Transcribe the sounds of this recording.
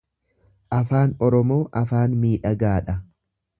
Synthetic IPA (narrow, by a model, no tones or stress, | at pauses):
ʔɐfaːnɔɾɔmo̞ːʔɐfaːnmiːᶑɐɡaːᶑɐ